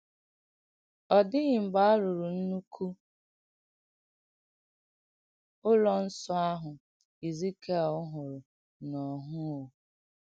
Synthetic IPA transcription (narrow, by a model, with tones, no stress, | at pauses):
ɔ˨dɪ˦ɣɪ˨m̩˨ɡ͡ba˦a˦ɾʊ˨ɾu˨n̩˦nu˦kʰu˦ | ʊ˦lɔ˨n̩˦sɔ˦a˦ɦʊ˨ | i˨zi˦ke˦a˨ʊ˦ɦʊ˨ɾʊ˨ | nɔ˨ɦʊ˦o˨